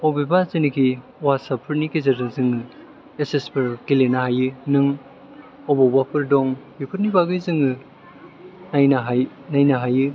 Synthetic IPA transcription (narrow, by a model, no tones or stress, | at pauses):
ɔbebazinikʰi | wasapʰɯɾnikezɐɾnɯzɯŋɯ | esespʰɯɾkilenahajɯnɯŋ | ɔbabapʰɯɾdɔŋjupʰɯɾnibaɡɯjzɯŋɯ | najnaɦajnajnaɦajɯ